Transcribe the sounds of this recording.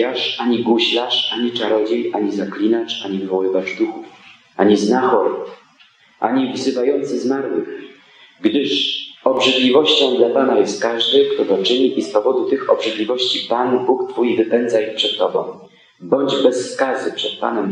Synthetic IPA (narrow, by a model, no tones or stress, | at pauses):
aʂaɲiɡuɕlaʂaɲit͡ʂaɾɔd͡ʑejʔaɲizaklʲinat͡ʂaɲivvɔwɘvaʐd̪uxuf | ʔaɲiznaxɔɾ | ʔa̰ɲivzɘvajɔnt̪sɘzmaɾwɘ̰x | ɡd̪ɘʂɔbʐɘd̪lʲivɔɕt͡ɕɔ̃w̃d̪lapanajɛst̪̚kaʐd̪ɘkt̪ɔɡ̪ɔt͡ʂɘɲiʔispɔvɔd̪ut̪ɘxɔbʐɘd̪lʲivɔɕt͡ɕipanbukt̪fujvɘpɛnd̪zaixpʂɛt̪ːɔbɔ̰̃w̃ | bɔɲd͡ʑbɛsːkazɘpʂɛt̪̚pa̰nɛm